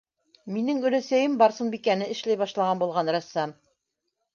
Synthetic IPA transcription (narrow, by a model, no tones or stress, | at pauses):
minɘŋʉ̆læsæjɘmbɑɾsɤnbikænɘɘ̆ʃlæjβɑʃlˠɑʁɑnbulˠʁɑnɾæ̆sːɑm